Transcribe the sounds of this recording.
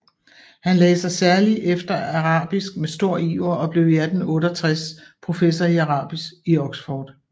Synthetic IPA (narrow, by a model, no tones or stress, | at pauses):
hænleːsɐsæɐliʔefd̥ɐɑʁɑ̰̈ːb̥isɡ̥̚mesd̥o̝ɐ̰iːʊɐɒ̽b̥le̝ʊjæɐd̥n̩ɔ̽ːɾɒt͡sʰʁɛspʰʁo̝fesɒiæʁɑ̰̈ːb̥isɡ̥iɒ̽ɡ̥sfɒːd̥